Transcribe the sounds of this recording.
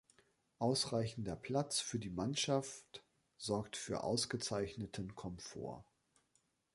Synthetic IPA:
ʔaʊsʁaɪçn̩dɐpʰl̥at͡sfyːɐdiːmanʃaft | z̥ɔɐk̚tfyːɐʔa̰ʊsɡ̥ət͡saɪçnətʰənkʰɔmfo̰ːɐ

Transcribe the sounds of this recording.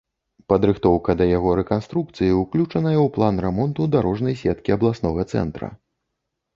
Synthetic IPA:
pɐd̪ɾɨxt̪ɔwkɐd̪ɐjaɣɔɾɛkanst̪ɾukt̪sɨjiwklʲut͡ʂɐnɐjɐwplˠanrɛmɔnt̪ud̪aɾɔʐnɐjsʲɛt̪kʲiɐblˠasnɔɣɐt̪sɛ̰nt̪ɾɐ̰

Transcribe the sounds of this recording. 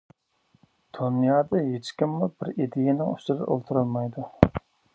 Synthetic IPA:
d̪̥unjɑːd̪ɑɦet͡ʃkʲimːubɪɾid̪ejenɪŋysɪɾɨ̰ʔo̰lˠt̪ʰuɾɑlˠmɑjd̪u

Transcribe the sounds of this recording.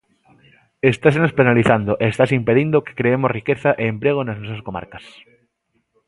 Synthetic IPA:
est̪asenospenaliθand̪oʔeːst̪asimpeðind̪oke̥kɾeemosrikeθaʔeːmpɾeɣ̞onaznos̬askoma̰ɾkas

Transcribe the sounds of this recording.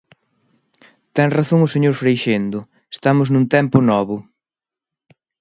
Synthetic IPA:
t̪ɛŋraθõŋʊseɲoɾfɾejʃend̪ʊ | est̪amʊznũnt̪ɛmpʊnɔβʊ

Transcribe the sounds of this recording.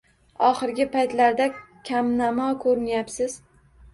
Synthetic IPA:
ɒχɨɾɡʲɪpʰajt̪laɾd̪akʲʰamnamɒkʰɵɾɪnjapsɪz̥

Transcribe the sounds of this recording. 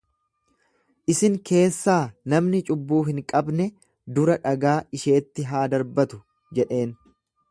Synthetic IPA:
ʔɪsɪŋke̞ːsːaːnɐmnɪt͡ʃʼʊbːuːɦɪŋkʼɐbnɛ | d̪ʊɾɐᶑɐɡaːʔɪʃe̞ːt̪ːɪɦaːd̪ɐɾbɐt̪ʊ̥ | d͡ʒɛᶑe̞ːn

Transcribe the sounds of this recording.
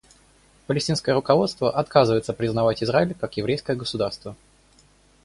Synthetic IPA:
pəlʲɪsʲtʲinskəjəɾʊkɐvo̞t̪st̪vəʔɐt̪kazɨvəjɪt̪səpɾʲɪznɐvatʲɪzɾaɪlʲkakjɪvɾʲejskəjəɡəsʊd̪arst̪və

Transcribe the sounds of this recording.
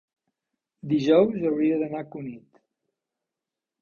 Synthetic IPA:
d̪iʒɔwzəwɾiəðənakunit̪

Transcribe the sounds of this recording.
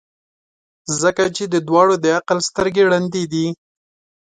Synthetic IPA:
zəkat͡ʃed̪əd̪wɑɽod̪əaqəlst̪əɾɡeɽand̪id̪i

